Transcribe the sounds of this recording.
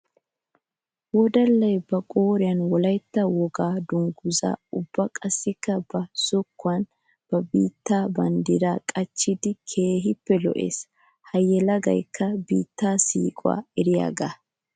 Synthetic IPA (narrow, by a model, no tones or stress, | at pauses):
wɔd̪ɐlːɐjbɐkʼoːɾɪjɐnwɔlɐjt̪ːɐwɔɡaːd̪ʊŋɡʊza̰ːʊbːɐkʼɐsːɪkːɐbɐsʊkːʊɐn | b̥ɐbiːt̪ːaːbɐnd̪ɪɾaːkʼɐt͡ʃːɪd̪ɪkʰe̞ːɦɪpːɛlɔ̰ʔe̞̰ːs | hɐjːɛlɐɡɐ̰jkʰːɐbiːt̪ːaːsḭːkʼʊwa̰ːɛɾɪja̰ːɡa̰ː